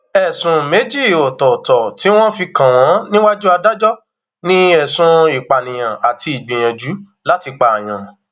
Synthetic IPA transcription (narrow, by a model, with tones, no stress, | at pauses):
ɛ˨sũ˨me˨˦d͡ʒi˦˨o˨tɔ˨tɔ˨ti˨˦w̃ɔ̃˦fi˧kã˨w̃ɔ̃˨˦nĩ˦wa˦d͡ʒu˦a˧da˦d͡ʒɔ˦ | nĩ˦ɛ˨sũ˧i˨k͡pa˨nĩ˨j̃ã˨a˨tʰi˧i˨ɡ͡bĩ˨j̃ã˨d͡ʒu˨˦ | la˦ti˧k͡pa˧˨a˨j̃ã˨